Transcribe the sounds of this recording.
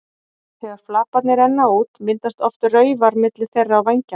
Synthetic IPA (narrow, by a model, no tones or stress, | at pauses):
θɛɣaɾ̥flaːpat̪nɪɾɛnːauːt̪mɪnt̪ast̪ɔft̪ʏrœːɥvaɾmɪt̪lɪ̥θejrːaːwvajɲca